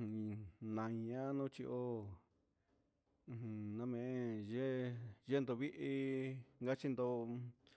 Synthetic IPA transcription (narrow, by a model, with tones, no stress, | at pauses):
nã˨˧i˧ɲã˦nũ˦t͡ʃi˧ʔo˦˧ | hũ˧nã˧mẽ˧ʒe˦ʒe˦nd̪o˧βi˦ʔi˧ŋɡa˦t͡ʃi˧nd̪o˧